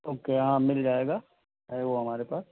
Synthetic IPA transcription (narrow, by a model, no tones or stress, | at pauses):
oːkeɦãmɪld͡ʒaːeːɡaː | ɦɛʋoɦɐmaːɾepaːs